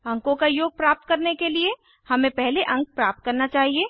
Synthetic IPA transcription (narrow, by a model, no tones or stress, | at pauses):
ɐ̃ŋkõkajoːɡ̚pɾaːp̚t̪̚kɐɾnekelie | hɐmẽpɛɦleʔɐ̃ŋk̚pɾaːp̚t̪̚kɐɾnat͡ʃaːɦieː